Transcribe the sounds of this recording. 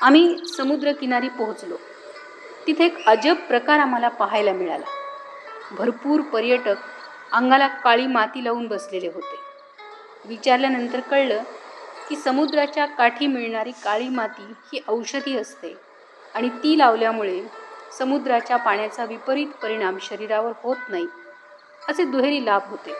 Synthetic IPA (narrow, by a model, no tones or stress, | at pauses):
am̤iːsəmud̪ɾəkinaɾiːpəɦut͡slo | t̪it̪ʰeekəd͡ʑəbpːɾəkaɾam̤alapəɦajlamiɭa̰la̰ | bʱəɾpuːɾpəɾjəʈək̚ | aŋɡalakaɭiːmat̪iːlauːnbəsleleɦot̪e | ʋit͡ɕaɾljanənt̪əɾkəɭləːkiːsəmud̪ɾat͡ɕjakaʈʰiːmiɭɳaɾiːkaɭiːmat̪iːhiːʔəwɕəd̪ʱiːəst̪e | aɽ̃it̪iːlaʋljamuɭesəmud̪ɾat͡ɕjapaɳjat͡saʋipəɾiːt̪pəɾiɽ̃amɕəɾiɾaʋəɾhot̪nai | əsed̪uɦeɾiːlabɦot̪e